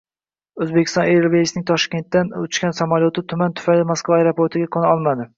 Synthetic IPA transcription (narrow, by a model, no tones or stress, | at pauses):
ɵzbekʲʰɪ̥st̪ɒneɾbesnɪŋt̪ʰɒʃkʲe̞nt̪ːanʊt͡ʃkʲansamaljot̪ʰɪt̪ʰʊmant̪ʰʊ̥fajlɪmaskvaːjɾopʰoɾt̪ʰɪɡʲakʰonaɒlˠmad̪ɪ